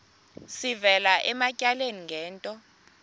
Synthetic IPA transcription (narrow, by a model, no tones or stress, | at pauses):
sivɛlaʔɛmacʼaleniŋɡʱɛːntʼɔ